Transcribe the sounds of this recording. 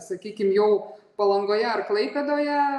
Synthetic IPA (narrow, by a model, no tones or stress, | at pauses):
sɐkʲiːkʲɪmjɛʊpɐlˠɐŋɡoːjɛɐrklˠɐɪpʲɛd̪oːjɛ